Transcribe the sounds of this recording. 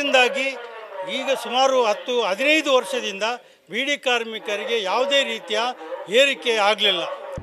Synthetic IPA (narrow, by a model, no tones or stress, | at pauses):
ind̪aːɡiiːɡɐsumaːɾuɦɐt̪ːuɦɐd̪ʱinɐjd̪uʋɐɾʂɐd̪ind̪ɐ | biːɽikaːɾmikɐɾiɡe̞jaːʋd̪e̞ːɾiːt̪ijɐeːɾike̞aːɡlilːɐ